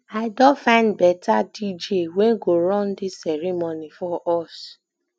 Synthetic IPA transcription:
aɪdɔfãɪ̃ndbɛtʰadid͡ʒewɛ̃ɡoɾɔ̃ndisɛɹimonifɔʔɔs

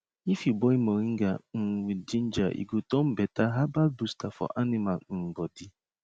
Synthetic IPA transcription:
ifibɔimɔɾiŋ̩ɡaŋ̩wid͡ʒin̩d͡ʒaʔḭɡotɔm̩betaɦabalbustafɔ̰ʔanɪmalŋ̩ɡ͡bɔdɪ

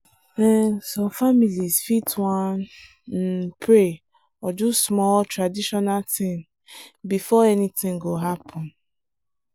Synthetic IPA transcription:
ɛsɔfamilizfitwan | n̩pʰɾe | ɔdusmɔltɾadiʃɔnaltĩm | bifɔɛnitɪ̃ŋɡoɦapʰɔ̃n

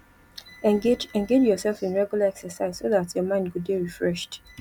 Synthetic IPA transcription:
ɛ̃ɡeɛ̃ŋɡed͡ʒjɔsɛlfĩnɹɛɡjulaɛksəsaɪz̥soðatjɔmãɪ̃nd̚kud̚iɹifɹɛʃt

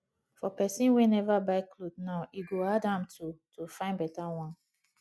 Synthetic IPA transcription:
fɔpɛsĩnwɛnɛvabaɪklodnaʊiɡoadãmtʰutʰofãɪ̃nbɛtawãn

